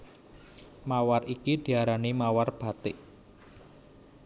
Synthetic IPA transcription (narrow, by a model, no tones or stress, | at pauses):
mawarikid̪̥i̤aɾanimawarb̥a̤t̪ɪʔ